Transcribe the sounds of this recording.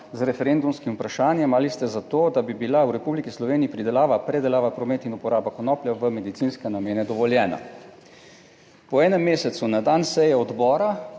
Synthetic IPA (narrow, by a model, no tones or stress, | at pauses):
zɾɛfɛɾeːnd̪umskimupɾaʃaːnjɛmalist̪ɛzat̪oːd̪abibilauɾɛpublikislɔʋeːniipɾid̪ɛlaːʋapɾɛd̪ɛlaːʋapɾɔmeːt̪inupɔɾaːbakɔnɔːpljaʋəmɛd̪it̪siːnskɛnameːnɛd̪ɔʋɔljɛːna̰ | pɔɛːnɛmːeːsɛt̪sunad̪aːnsɛjɛɔd̪bɔːɾa